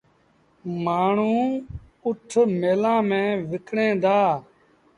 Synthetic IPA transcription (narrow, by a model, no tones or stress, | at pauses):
maːɳ̤ũː | ʊʈʰmeːlãːmẽːʋɪkʰɽẽːd̪aː